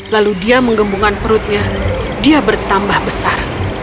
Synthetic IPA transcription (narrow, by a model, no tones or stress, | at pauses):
laludiaməŋɡəmbuŋanpəɾʊt̪̚ɲa | diabərt̪ambahbəsar